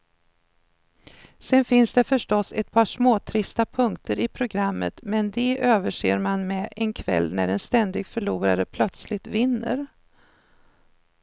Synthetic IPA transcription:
sɛnfɪnsd̪ɛfœʂʈɔsːɛt̪̚pʰɑːʂmoːt̪ʰɾɪst̪apʰɵŋkt̪əɾɪpʰɾʊɡɾamːə̰t̪mɛnd̪ɛʔøːvəʂḛːɾmanmɛʔɛnkʰvɛ̰lːnæ̰ɖɛnst̪ɛnd̪ɪɡfœɭuːɾa̰ɾəpʰlœt̪slɪt̪vɪnːə̰ɾ

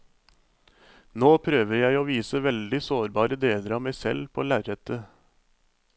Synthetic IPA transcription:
noːpʰɾøːʋəɾjæɪoːʋiːsəʋɛld̪ɪsoːɾbɑːɾəd̪eːləɾɑːmæɪsɛ̰lpʰoːlæːɾət̪ʰə

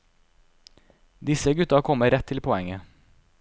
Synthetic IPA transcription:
d̪ɪsəɡʉt̪ɑkʰɔməɾɛt̪ʰːɪlpʰɔɛŋə

